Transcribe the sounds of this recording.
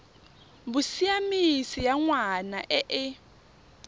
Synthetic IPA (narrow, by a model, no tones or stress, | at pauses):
busijamisijaŋwanaʔɛʔɪ